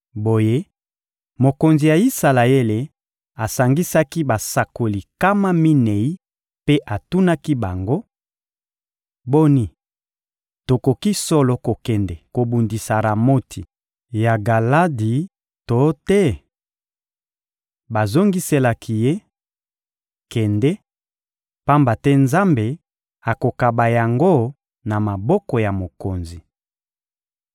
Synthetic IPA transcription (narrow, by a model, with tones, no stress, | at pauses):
bo˨je˦ | mo˨ko˨nzi˨ja˨i˦sa˨la˨e˦le˨ | a˨sa˨ŋɡi˦sa˦ki˦ba˨sa˨ko˨li˨ka˦ma˦mi˦nɛ˨i˦ | pe˦ʔa˨tu˦na˦ki˦ba˨ŋɡo˦ | bo˦ni˦ | to˨ko˨ki˦sɔ˦lɔ˨ko˨kɛ˨ndɛ˨ko˨bu˨ndi˨sa˨ɾa˨mo˦tʰi˨ | ja˨ɡa˨la˦di˨ | to˨˦tɛ˦ | ba˨zo˦ŋɡi˦se˦la˨kʰi˨je˦ | kɛ˨ndɛ˦ | pa˦mba˨tɛ˦nza˦mbe˨ | a˨ko˨ka˨ba˨ja˨ŋɡo˦ | na˨ma˨bɔ˦kɔ˨ja˨mo˨ko˨nzi˨